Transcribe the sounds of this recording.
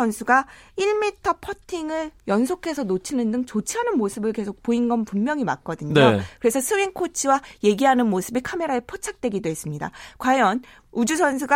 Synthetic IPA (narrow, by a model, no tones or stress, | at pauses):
ʌnsʰuɡaiɭmitʰʌpʰʌtʰiŋɯɭjʌnsʰokʰe̞sʰʌnot͡ɕʰinɯndɯŋt͡ɕot͡ɕʰiɦanɯnmosʰɯbɯɭke̞sʰok̚poinɡʌnpummjʌŋima̰k̚k͈ʌdɯɲnokɯɾe̞sʰʌsʰɯwinkʰot͡ɕʰiwaje̞ɡiɦanɯnmosʰɯbikʰame̞ɾaepʰot͡ɕʰak̚t͈we̞ɡidoɦe̞s͈ɯmɲida̰kwajʌn | ud͡ʑusʰʌns̬ʰuɡa